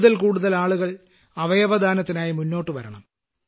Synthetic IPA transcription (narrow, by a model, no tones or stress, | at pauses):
ðɐlkuːɽuðɐlaːɭuɣɐɭ | ɐʋɐjɐʋɐd̪ʱaːnɐt̪ːinaːjimunːo̞ːʈːɨʋɐɾɐɳɐ̰m